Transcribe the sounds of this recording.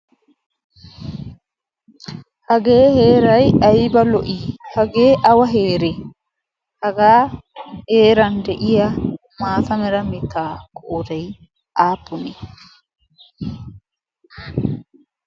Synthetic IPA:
hɐɡeːheːɾɐjɐjbɐlɔʔihɐɡeːʔɐwɐɦeːɾɛ | hɐɡaːheːɾɐnd̪ɛʔɪjɐ | maːtɐmɛɾɐmɪt̪ːaːkʰɔʔɔd̪ɐj | ʔaːpːʊnɛ

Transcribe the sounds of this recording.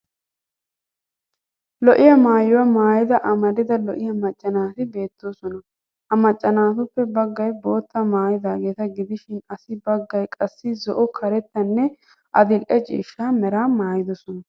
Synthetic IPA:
lɔʔɪjɐmaːjʊwɐmaːjɪd̪ɐʔɐmɐd̪ɪd̪ɐlɔʔɪjɐmɐt͡ʃʼːɐnaːt̪ɪbe̞ːt̪ːoːsɔnɐ | ʔɐmɐt͡ʃʼːɐnaːt̪ʊpːɛbɐɡːɐjbo̞ːt̪ːɐmaːjɪd̪aːɡe̞ːt̪ɐɡɪd̪ɪʃɪnɐsɪbɐɡːɐjkʼɐsːɪzɔʔɔkʰɐɾɛt̪ːɐnːɛ | ʔɐd̪ɪlʔɛt͡ʃʼḭːʃːaːmɛɾaːmaːjɪd̪ɔsɔnɐ

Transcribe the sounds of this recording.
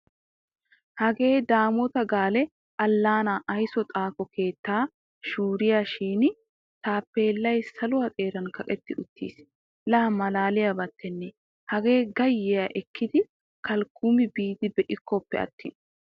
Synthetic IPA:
hɐɡe̞ːd̪aːmɔt̪ɐɡaːlɛ | ʔɐlːaːnaʔɐjsɔt̪ʼaːkɔkʰe̞ːt̪ːaː | ʃuːɾɪjaʃiːn | t̪aːpːe̞ːlːɐjsɐlʊwɐt̪ʼe̞ːɾɐnkɐkʼɛt̪ːɪʔʊt̪ʰːḭːs | lɐɐmɐlaːlɪjabɐt̪ʰːɛnːɛ | hɐɡe̞ːɡɐjːɪjɐʔɛkʰːɪd̪ɪ | kɐlkʰːuːmɪbiːd̪ɪbɛʔɪkʰːɔpːɛ̰ɐ̰t̪ːɪn

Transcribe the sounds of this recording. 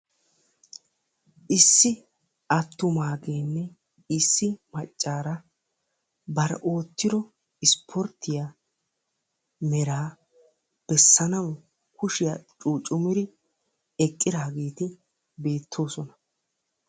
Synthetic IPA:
ʔɪsːɪ | ɐt̪ːʊmaːɡeːnːɛ | ɪsːɪmɐt͡ʃʼːaːɾɐ | bɐɾʔo̞ːt̪ːɪɾɔ | ɪspʰɔɾt̪ʰːɪja | mɛɾaː | b̥ɛsːɐnɐw | kʊʃɪjɐt͡ʃʼuːt͡ʃʼʊmɪɾɪ | ɛkʼːɪd̪aːɡeːt̪ɪ | be̞ːt̪ʰːo̞ːsɔnɐ

